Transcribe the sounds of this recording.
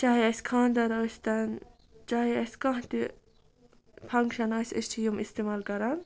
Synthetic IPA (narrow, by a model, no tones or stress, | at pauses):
t͡ʃaːɦiɐsʲkʰãːnd̪ɐɾost̪ɐn | t͡ʃaːɦiɐsʲkɐ̃ɦt̪i | pʰɐŋkʃɐnɐsʲəst͡ʃʰijumist̪emaːlkɐɾɐn